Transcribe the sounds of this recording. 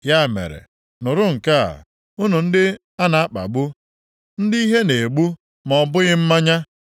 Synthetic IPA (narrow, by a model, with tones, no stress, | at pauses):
ja˦˨mḛ˨ɾḛ˨ | nʊ˨ɾʊ˦ŋ̩˨ka˦a̰˨ | u˦nu˨n̩˦dɪ˦ | a˦na˨a˦k͡pa̰˨ɡ͡bu˦ | n̩˦di˦i˦ɦe˦ne˨ɡ͡bu˦ | mɔ˨bʊ˦ɣɪ˦m̩˦ma˦ɲa˦